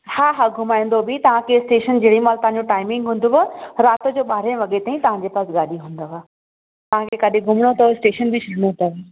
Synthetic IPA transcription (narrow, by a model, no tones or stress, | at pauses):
haːɦaɡʱʊmaːĩn̆d̪obɪt̪ɐʋ̤ãkʰesʈeːʃənd͡ʑɐːɽimaːlt̪ɐɦãɲd͡ʑoʈaːɪmɪ̃ŋɡɦũːn̆d̪oʋɐɾaːt̪̆d͡ʑoːɓaːɾeʋɐɠet̪aːĩt̪ɐʋ̤ãɲd͡ʑeːpaːsɠaːɗiɦũːnd̪oʋaː | t̪ɐʋ̤ãkʰekaɗiɡʱʊmɽ̃ot̪ʰɐʋesʈeːʃənbʱɪt͡ɕʰʊɽnot̪ʰɐʋe